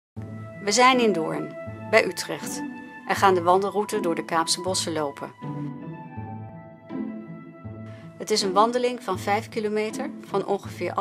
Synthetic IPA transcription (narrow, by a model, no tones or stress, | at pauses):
ʋəzɛjnɪndʊ̰ːɹnbɛjʔytrɛχtʔɛɹχaːndəʋɑndəlˠrutədʊːɹdəkaːpsəbɔsəlowpʰə̰ | ɦətɪsənʋɑndəlɪŋvɑnvɛjfkilomejtəɹv̥ɑnʔɔ̰nχəv̥ɪːɹʔ